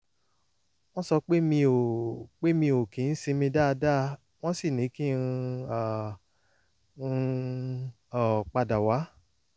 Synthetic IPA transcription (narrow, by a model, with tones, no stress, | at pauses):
w̃ɔ̃˦sɔ˧k͡pe˦mĩ˧o˨k͡pe˦mĩ˧o˨kĩ˨˦n̩˦sĩ˧mĩ˧da˦˧da˦˧ | w̃ɔ̃˦si˦˨nĩ˨˦kĩ˦˧a˨˧ | ɔ˨k͡pa˧da˨wa˨˦